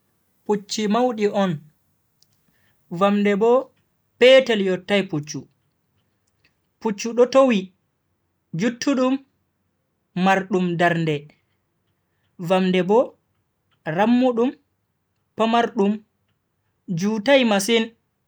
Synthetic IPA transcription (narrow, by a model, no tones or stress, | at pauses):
put͡ʃːimawɗiʔɔn | vamdɛbɔ | pɛtɛljɔtːajput͡ʃːu | put͡ʃːuɗɔtowi | d͡ʒutʰːuɗum | aɾɗumdaɾndɛ | vamndɛbɔ | ɾamːuɗum | pamaɾɗum | d͡ʒuːtajmasin